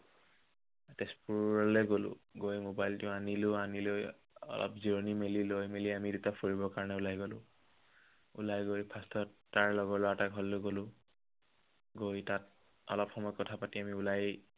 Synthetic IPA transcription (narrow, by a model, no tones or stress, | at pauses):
atɛspuɔlɛɡolʊ̰̃ɡojmobajltʊanilʊaniloj | ɔ̰lʔɔ̰pziɹonimelilojmeliamidutafoɹibɔkaɹɔnɛʊlajɡolʊ̰̃ | ṵlajɡojpʰastʰɔtaɹlɔɡɔɹlʊataɡʱɔlːʊɡolʊ | ɡojtat̚ | ɔ̰lɔpxɔmɔjkɔtʰapatiamiʊlaj